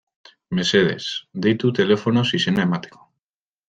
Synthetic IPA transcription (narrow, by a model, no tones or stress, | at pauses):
meseðḛsd̪ejt̪ut̪e̞lefonosisenemat̪i̥ko